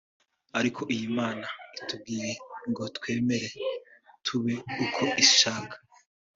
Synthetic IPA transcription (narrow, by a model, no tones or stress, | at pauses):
aɾikʰo̞ʔijimaːnaitub̚ɡiːɾeŋɡo̞twe̞ːme̞ɾe̞tʰuβeukʰo̞ʔiʃaːkḁ